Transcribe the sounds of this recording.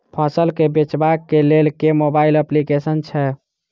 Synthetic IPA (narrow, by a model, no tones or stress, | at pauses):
pʰasəlkebet͡ʃbakːelelkemobailəplikesənt͡ʃʰɛ